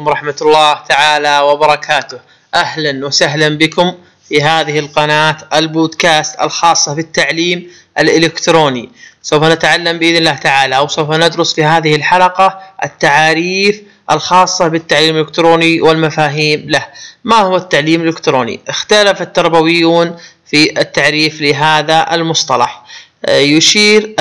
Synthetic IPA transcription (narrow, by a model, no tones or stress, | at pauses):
mɾˤɑħmat̪lːɑːht̪aʕaːlawɪbɑɾˤɑkʰaːt̪ʊh | ʔahlanwasaɦlambɪkʊm | fiɦaːðɪhɪlqɑnaːt̪ʔɪlboːd̪kaːst̪ɪ̰lxɑːsˤːɑbɪt̪ːaʕliːm | ʔɪlʔɪlɪkt̪ɾoːnisawfanat̪ʕalːambɪʔɪðnɪlːaːht̪aʕaːlaʔwsawfanɪd̪ɾʊsˤfihaːðɪhɪlħalɑqɑʔɪ̰t̪ːaʕaːɾiːf | ʔɪlxɑːsˤːɑbɪt̪ːaʕliːmɪlɪkt̪ɾoːniwɪlmafaːɦiːmlahmahʊwat̪ːaʕliːmlɪkt̪ɾoːnḭʔɪxt̪alafat̪ːɑɾˤbawɪjːuːn | fiʔɪt̪ːaʕɾiːflɪɦaːðaʔɪ̰lmʊsˤt̪ˤɑlɑ̰ħ | jʊʃiːɾ